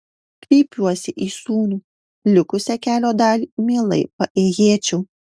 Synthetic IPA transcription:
kɾʲiːpʲuɔsʲɪʔiːsuːnʲuː | lʲʊkʊsʲɛkʲæːlʲoːd̪ɑːlʲimʲiːlˠɐ̰ɪpɐʔeːjeːt͡ʃʲɛʊ

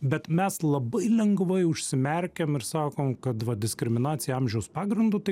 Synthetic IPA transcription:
bʲɛt̪mʲɛslˠɐbɐɪlʲɛŋɡʋɐɪʊʃʲsʲɪmʲɛɾʲkʲɛmɪɾsɑːkoːmkɐt̪ʋɐd̪ʲɪskɾʲɪmʲɪnɑːt̪sʲɪjɛɑmʲʒʲɛʊspɑːɡɾʲɪnd̪ʊt̪ɐɪ

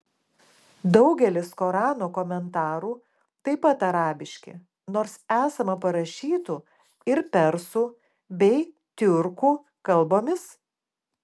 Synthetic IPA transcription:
d̪ɒʊɡʲɛlʲɪskoːɾɑːnoːkɔmʲɛnt̪ɑːɾuː | t̪ɐɪpɐt̪ɐɾɑːbʲɪʃʲkʲɪ̰ | noːɾsæːsɐmɐpɐɾɐʃʲiːt̪u | ɪɾpʲɛɾsu | bʲɛɪ | t̪ʲʊɾkuː | kɐlˠˑboːmʲɪs

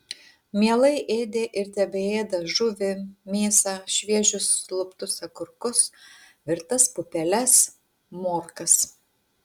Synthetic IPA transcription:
mʲiɛlˠɐɪʔeːd̪ʲeːʔɪɾt̪ʲɛbʲɛeːd̪ɐʒʊʋʲɪmʲeːsɑːʃʲʋʲiɛʒʲʊsːlˠʊpt̪ʊsɐkʊɾkʊs | ʋʲɪɾt̪ɐspʊpʲɛlʲɛs | moːɾkɐs

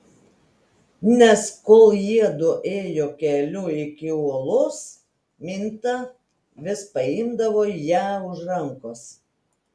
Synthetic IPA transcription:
nʲɛskoːlˠjiɛd̪ʊʔeːjoːkʲɛlʲuɪkʲɪuɔlˠʊs | mʲɪnʲt̪ɐ | ʋʲɪspɐɪmd̪ɐʋoːjæːʊʒɾɐŋkʊs

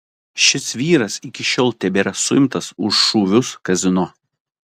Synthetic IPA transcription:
ʃʲɪsʋʲiːɾɐsɪkʲɪʃʲoːlˠt̪ʲɛbʲeːɾɐsʊɪmt̪ɐsʊʃːuːʋʲʊskɐzʲɪno

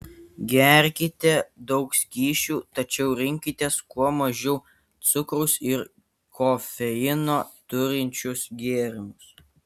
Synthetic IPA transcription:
ɡʲɛɾʲkʲɪt̪ʲɛd̪ɒʊksʲkʲiːʃʲuːt̪ɐt͡ʃʲɛʊɾʲɪŋʲkʲɪt̪ʲeːskuɔmɐʒʲɛʊ | t̪sʊkɾʊsɪɾ | kofʲɛɪnoːt̪ʊɾʲɪnʲt͡ʃʲʊsɡʲeːɾʲɪmʊs

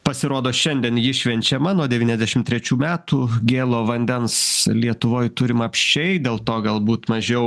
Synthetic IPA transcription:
pɐsʲɪɾoːd̪oːʃʲɛnʲd̪ʲiɛnjɪʃʲʋʲɛnʲt͡ʃʲɛmɑnuɔd̪ʲɛʋʲiːnʲɛzd̪ʲæʃʲɪmt̪ʲɾʲɛt͡ʃʲuːmʲæːt̪uːɡʲeːlˠoːʋɐnʲd̪ʲɛnslʲiɛt̪ʊʋoːjt̪ʊɾʲɪmɐpʲʃʲt͡ʃʲɛɪd̪ʲeːlˠt̪oːɡɐlˠbuːt̪mɐʒʲɛʊ

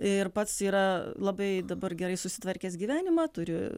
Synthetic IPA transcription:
ɪrpɐt̪siːɾɐlˠɐbɐɪd̪ɐbɐrɡʲɛɾɐɪsʊsʲɪ̥t̪ʋɐɾʲkʲɛːsɡʲiːʋʲæːnʲɪmɑːt̪ʊɾʲɪ

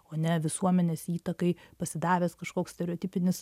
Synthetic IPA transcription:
oːnʲɛʋʲɪsuɔmʲɛnʲeːsiːt̪ɐkɐɪpɐsʲɪd̪ɑːʋʲeːskɐʃkoːksʲtʲɛɾʲɛoːt̪ʲɪpʲɪnʲɪs

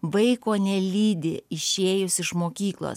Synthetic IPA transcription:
ʋɐɪkoːnʲɛlʲiːd̪ʲɪ̰ɪʃʲeːjʊsɪʃmoːkʲiːklˠo̰ːs

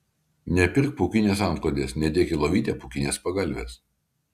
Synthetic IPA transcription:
nʲɛpʲɪɾk̚pukʲɪnʲeːsɑˑmklˠod̪ʲeːsnʲɛd̪ʲiɛkʲɪlˠɐʋʲiːt̪ʲeːpukʲɪnʲeːspɐɡɐlʲʋʲḛːs

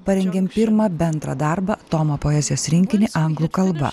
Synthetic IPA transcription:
pɐɾʲɛŋʲɡʲeːmpʲɪɾmɐːbʲɛnd̪ɾɐ̰d̪ɐˑɾbɐt̪ɔmɐpoɛzʲɪjoːsɾʲɪŋʲkʲɪnʲɪʔɐŋɡlˠukɐlˠbɐ̰

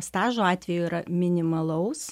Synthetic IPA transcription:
st̪ɑːʒoɑːt̪ʲʋʲɛjuiːɾɐmʲɪnʲɪmɐlˠɐʊs

